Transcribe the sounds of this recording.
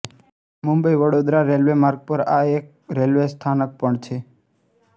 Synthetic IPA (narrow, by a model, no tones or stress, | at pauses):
mũmbəiʋəɽod̪ɾaɾelʋemaɾɡ̚pəɾaek̚ɾelʋest̪ʰanək̚pəɳt͡ʃʰe